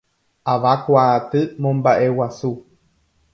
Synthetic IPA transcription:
aʋakʷaːt̪ɨmõmbaʔe̞wasu

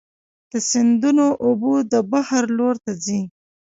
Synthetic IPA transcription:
d̪̥əsɪnd̪unoʔubod̪əbahɾloɾt̪azi

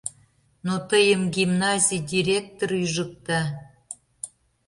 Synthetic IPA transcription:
not̪əjəmɡʲimnɑzʲijdʲiɾʲek̚t̪oryʒək̚t̪ɑ

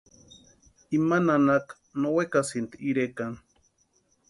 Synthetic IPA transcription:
imananak | nowekasint̪iiɾekan

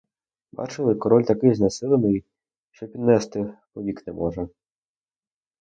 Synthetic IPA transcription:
bɑ̰t͡ʃɪlˠɪkɔɾɔlʲt̪ɐkɪjznɐsɪlˠenɪj | ʃt͡ʃɔpʲid̪nɛst̪ɪpɔʋʲiknɛmɔʒɛ

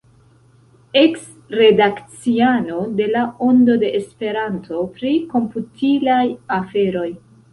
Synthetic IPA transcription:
e̞ks | ɾe̞dakt͡siano̞de̞lao̞ndo̞de̞ʔːspe̞ɾantʰo̞pɾiko̞mputʰilajafe̞ɾo̞j

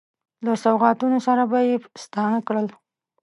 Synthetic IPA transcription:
lasawɣɑt̪unosaɾabajest̪ɑnakɽəl

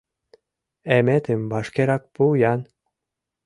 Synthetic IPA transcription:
emet̪əmbɑʃkeɾɑk̚pujɑn

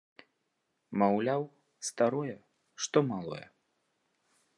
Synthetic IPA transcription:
mawlʲaw | st̪aɾɔjɛ | ʂt̪ɔmalˠɔ̰jɛ̰

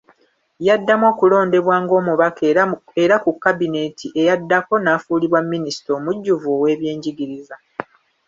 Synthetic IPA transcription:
jadːamo̞ːkulo̞ːnde̞βwaːŋɡo̞ːmuβakeɾakukːabine̞tʰiʔe̞jadːako̞naːfuːliβwamːinisi̥to̞ːmuɟːuvuwe̞ːβje̞ːɲɟiɡiɾiza

